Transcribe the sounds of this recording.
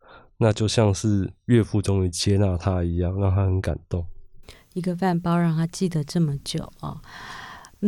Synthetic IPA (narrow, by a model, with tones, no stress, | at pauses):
na˥˧t͡ɕjo˥˧ʊɕjɑ˥˧ŋʂɻ̩˥˧ɥɛ˥˧fu˥˨ʈ͡ʂʊ˦ŋy˧˥t͡ɕjɛ˦na˥˨t̪ʰa˦i˧˥jɑ˥˨ŋɻa˥˩ŋt̪ʰa˦hə˨˦nka̰˨˩nt̪o˥˨ŋ | i˧˦˥ɡə˧fa˥˩npɑ˥ʊɻɑ˥˩ŋt̪ʰa˥t͡ɕi˥˩d̪ə˩ʈ͡ʂɤ˥˩mə˩t͡ɕjo˨˩˦ʊɔ̰˨˩